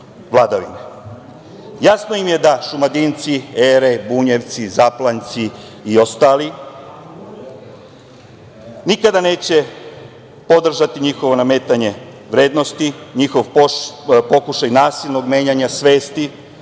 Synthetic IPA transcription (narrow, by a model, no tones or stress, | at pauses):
ʋlˠaːd̪aʋḭne | jasno̞jimje̞d̪aʃumad̪int̪sieːɾebuɲeʋt̪sizaplˠant̪si | io̞st̪aːli | nikad̪ane̞ːt͡ɕe̞ | po̞d̪r̩ʒat̪iɲixo̞ʋo̞namet̪aɲe̞ | ʋɾe̞ːd̪no̞st̪iɲixo̞ʋ | po̞kuʃajnaːsilˠno̞ɡme̞ːɲaɲasʋe̞ːst̪i